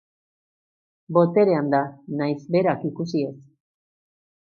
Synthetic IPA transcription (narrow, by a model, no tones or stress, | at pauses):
bo̞t̪e̞ɾe̞and̪anajsbe̞ɾakikusie̞s